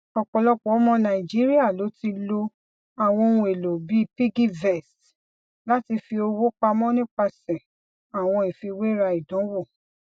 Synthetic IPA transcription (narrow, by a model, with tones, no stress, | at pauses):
ɔ˨k͡pɔ˨lɔ˧k͡pɔ˨˦mɔ̃˧nã˨i˨d͡ʒi˨˦ɾi˦a˦˨lo˨˦ti˧lo˧ | a˨w̃ɔ̃˧o˧nũ˧˦e˨lo˨bi˨˦pi˦ɡi˦vɛ˨st | la˦ti˧fi˧o˧wo˦k͡pa˧mɔ̃˦nĩ˦k͡pa˧sɛ̃˨ | a˨w̃ɔ̃˧i˨fi˧we˦ɾa˧i˨dɔ̃˨˦wo˦˨